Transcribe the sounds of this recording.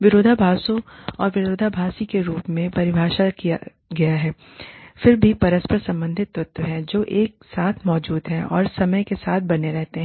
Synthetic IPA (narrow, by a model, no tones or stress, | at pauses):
ʋɪɾoːd̪ʱabʱaːsõɔːɾʋɪɾoːd̪ʱabʱaːsikeɾuːpmẽpɐɾɪbʱaːʃakija | ɡɐjaɦɛː | fɪɾbʱipɐɾəspəɾsɐ̃mbə̃nd̪ʱɪt̪ːɾʊt̪wəɦɛ̃d͡ʒoːʔeːk̚saːt̪ʰmɔːd͡ʒuːd̪ɦɛ̃ʔɔ̰ːɾsɐməjkesaːt̪̚ʰbɐneɾɛɦt̪eɦɛ̃